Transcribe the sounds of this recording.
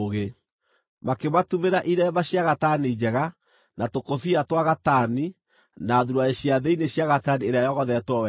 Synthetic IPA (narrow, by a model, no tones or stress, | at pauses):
oɣe | makematumeɾaʔiɾɛβaɕjaɣatanid͡ʑɛɣa | natokofiatwaɣatani | naðuɾwaeɕjaðeineɕjaɣatanieɾeajɔɣɔðɛtwɔwɛ